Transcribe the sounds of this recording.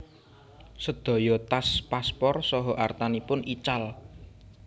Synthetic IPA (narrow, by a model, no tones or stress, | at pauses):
səd̪̥ɔ̤jɔt̪aspaspɔrsɔɦɔʔart̪anipʊnit͡ʃal